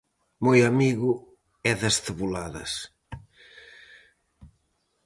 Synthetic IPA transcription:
mojamiɣʊ | ɛðɐsθeβulaðɐ̰s

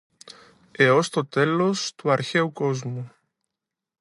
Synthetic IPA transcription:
eost̪ot̪elost̪uaɾçewkozmu

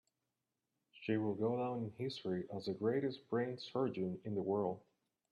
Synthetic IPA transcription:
ʃiwɪlˠɡoʊdãʊ̃nɨ̃nhɪstɹ̥iʔəzɨɡɹeɪɾɨsb̥ɹẽɪ̃nsɜ˞d͡ʒɨ̃nɨ̃nðəwɜ˞lˠd̥̚

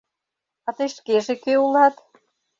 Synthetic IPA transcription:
ɑt̪ɤjʃkeʒekeulɑt̪

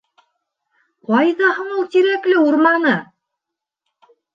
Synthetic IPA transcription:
qɑjðɑhɤ̆ɴulˠt̪iɾæklɘuɾmɑnɤ

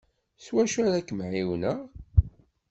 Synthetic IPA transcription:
swæʃæɾækːəmʕiwnəʁ

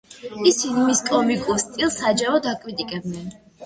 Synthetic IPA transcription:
isinimiskʼɔmikʼuɾst̪ʼilˠsad͡ʒaɾɔd̪akʼwit̪ʼikʼɛbnɛn

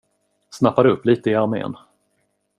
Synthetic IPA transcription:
snapːaɾəɵpːliːt̪əɪaɾmḛːn

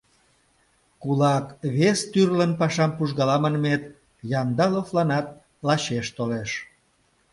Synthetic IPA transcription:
kulɑkβest̪yrlənpɑʃɑmpuʒɣɑlɑmənmet̪ | jɑnd̪ɑloflɑnɑt̪̚ | lɑɕeʃt̪oleʃ

